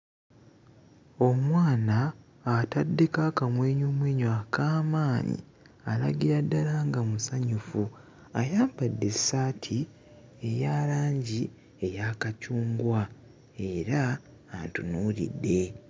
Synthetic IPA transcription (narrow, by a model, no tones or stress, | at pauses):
o̞mwaːnaː | tadːe̞kakamweːɲomweːɲwaːkaːmaːɲḭ | alaɡiɾadːalaŋɡamusaɲufu | ajaːmbadːe̞saːtʰi | e̞jaːlaːɲɟi | ejakacuːŋɡwa | e̞ɾaː | ntṵnuːɾḭdːe̞